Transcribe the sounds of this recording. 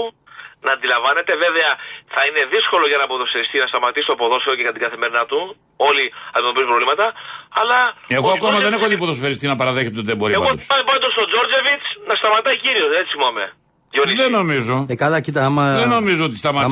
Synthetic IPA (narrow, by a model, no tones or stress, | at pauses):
nɐːnd̪ilɐɱvɐne̞t̪e̞ve̞veɐθɐine̞ðisko̞lo̞ʝɐnɐpoðoseɾist̪inɐst̪ɐmɐt̪isi̥t̪opo̞ðo̞seocekɐnt̪iɡɐθemeɾinɐt̪u | o̞liɐd̪imet̪oisumbɾovlimɐt̪ɐɐlɐeɣoɐkomɐðe̞ne̞xoðipoðosofɐɾist̪inɐpɐɾɐðeçe̞t̪eot̪iðebo̞ɾiepɐoosɐbɐnd̪ost̪od͡zo̞ɾd͡ze̞vit͡snɐst̪ɐmɐt̪ɐjciɾioset͡siimɐme̞ | eot̪iðeno̞mizo̞ekɐlɐcit̪ɐɐmɐðeno̞mizoot̪ist̪ɐmɐ